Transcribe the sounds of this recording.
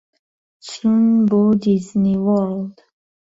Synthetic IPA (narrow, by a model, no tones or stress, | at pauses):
t͡sunbud̪izniwɔld̪̥